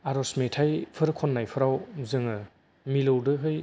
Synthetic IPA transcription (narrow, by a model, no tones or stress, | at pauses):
aɾɔsmetʰajpʰɯɾɯkʰɔnːajpʰɯɾawzɯŋɯ | milowdɯɦɯj